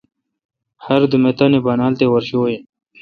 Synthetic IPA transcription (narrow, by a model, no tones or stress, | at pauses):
hɐɾd̪umet̪anebanaːlt̪ewɐɾɕoːjen